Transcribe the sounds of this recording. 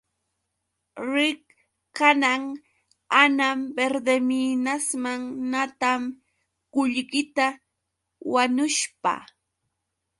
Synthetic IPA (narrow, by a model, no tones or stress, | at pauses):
ɾɪk | kanaŋ | anambeɾd̪eminasmaŋnat̪am | ɢʊʎɢɪt̪a | wanʊʃpa̰